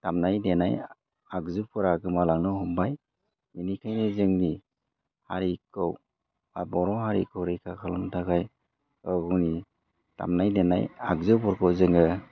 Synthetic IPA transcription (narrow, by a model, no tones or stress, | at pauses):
tamnajdenaj | akzɯpʰɯɾaɡɯmalaŋnɯhumbaj | minikʰajnezɯŋni | haɾikʰɯw | abɔɾɔɦaɾḭkʰɯwɾejkʰakʰalɔmtʰakʰaj | ɔɡɔwni | ta̰mnajdena̰ja̰k̚zɯpɔɾkʰɔwzɯŋɯ